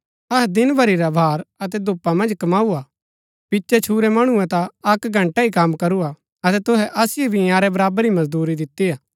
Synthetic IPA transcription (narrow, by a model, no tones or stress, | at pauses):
ɐɦd̪ɪnbʱɐɾiɾabʱaːɾɐt̪̬ɛd̪ʊpːamɐ̃nd͡ʒkɐmaːua | pɪtːʃɛt͡ʃʰuːɾɛmɐɽ̃ũɛ̃t̪aɐkɡʱɐ̃ɳʈaikamkɐɾua | ɐt̪ɛt̪ʊɦɛʔɐsɪjebʱiaːɾɛbɐɾaːbəɾimɐzd̪uːɾid̪ɪt̪ːiaː